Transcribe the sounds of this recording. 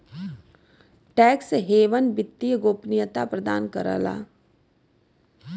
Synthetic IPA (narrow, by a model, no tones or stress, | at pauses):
ʈɛːksɦeːʋənbɪt̪ːijəɡoːpnɪjət̪apɾəd̪aːnkə̰ɾə̰la̰ː